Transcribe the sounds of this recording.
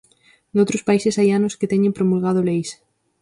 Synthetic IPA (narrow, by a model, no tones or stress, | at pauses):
d̪owt̪ɾospaisɪsajanʊskɪt̪ɛɲempɾomulɣaðʊlejs